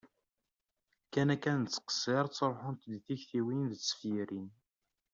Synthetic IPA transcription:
kænækænt͡sːə̥qə̥sːɪɾˤt͡sːɾˤħʊnt̪d̪θiçθiwinðət͡sːə̥fjiɾin

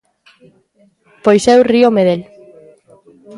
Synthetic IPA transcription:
pojsɛwriomeðel

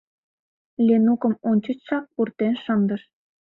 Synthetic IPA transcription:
lʲenukə̆monʲt͡ɕə̆t͡ɕʃɑk̚purt̪enʃə̆nd̪əʃ

